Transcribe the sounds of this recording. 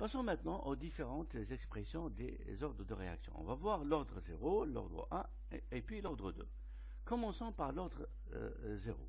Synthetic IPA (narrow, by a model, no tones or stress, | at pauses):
pasɔ̃mɛ̃t̪nɑ̃ʔod̪ifeʁɑ̃t̪zɛkspχesjɔ̃d̪ḛ | zɔʁd̪ʁəd̪əʁea̰ksjɔ̃ɔ̰̃vavwaʁlɔʁd̪ʁəzḛʁolɔ̰ʁd̪ʁə̰ʔɛ̃ | epɥilɔʁd̪ʁəd̪ø̰ | kɔmɑ̃sɑ̃paʁlɔʁd̪ʁə | zeʁo̰